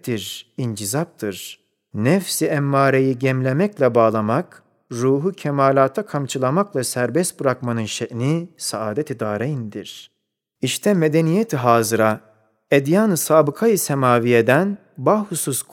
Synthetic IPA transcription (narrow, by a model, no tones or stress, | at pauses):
d̪̥iɾind͡ʒizap̚t̪ʰɯɾ̥ | nɛfsiɛmːaːɾejiɟɛmlʲemɛclʲɛbaːlˠamak | ɾuːɦucʰɛmaːlʲaːt̪ʰakʰamt͡ʃʰɯlˠamaklˠasæɾbɛst̪̚bɯɾakmanɯnʃeʔnisaaːd̪et̪ʰid̪aːɾejind̪iɾ̥ | iʃt̪ʰɛmed̪enijet̪ʰiɦaːzɯɾa | ed̪jaːnɯsaːbɯkʰajɯsɛmaːvijed̪æn | bahususk